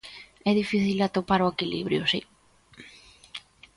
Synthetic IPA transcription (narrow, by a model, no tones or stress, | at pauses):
ɛðifiθilat̪opaɾoekilḭβɾjʊsi